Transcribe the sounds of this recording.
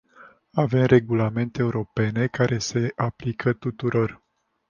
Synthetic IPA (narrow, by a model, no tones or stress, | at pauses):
ave̞mre̞ɡulame̞nt̪eːuɾo̞pe̞ne̞kaɾʔe̞se̞ʔaplikʰət̪ut̪uɾo̞r